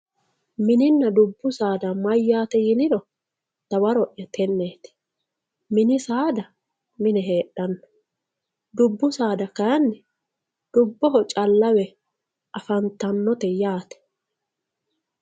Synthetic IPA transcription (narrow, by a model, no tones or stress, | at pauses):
mɪnɪnːɐd̪ʊbːʊsaːd̪ɐmɐjːaːt̪ɛjɪnɪd̪ɔ | t̪ɐwɐɾɔʔːɛt̪ʰɛnːeːt̪ɪ̥ | mɪnɪsaːd̪ɐ | mɪnɛɦeːɗːɐnːɐ̥ | d̪ʊbːʊsaːd̪ɐkɐjɐnːɛ | d̪̥ʊbːɔɦɔt͡ʃʼɐlːɐwɛ | ʔɐfɐnt̪ɐnːɔt̪ɛjaːt̪ɛ̥